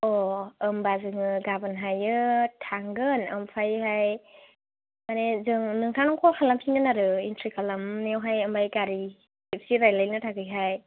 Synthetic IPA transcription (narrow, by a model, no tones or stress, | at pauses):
ɔɯmbazɯŋɯɡabɯnɦajɯtʰaŋɡɯnɯmpʰajɦaj | manezɯŋnɯŋtʰaŋnɯŋkʰɔlkʰalampʰiŋɯnaɾɯintɾikʰalamnewɦajɯmbajɡaɾi | sip̚siɾajlajnɯtʰaɡɯjɦaj